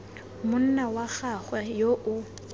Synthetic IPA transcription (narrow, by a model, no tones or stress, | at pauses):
mʊn̩nawaχaχwɛjoʔʊ